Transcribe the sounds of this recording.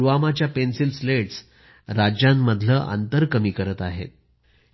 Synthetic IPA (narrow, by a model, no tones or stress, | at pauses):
ʋamat͡ɕjapensilsleʈs | ɾad͡ʑjamːəd̪ʱləːʔə̰nt̪əɾkəmiːkəɾət̪aɦḛt̪̚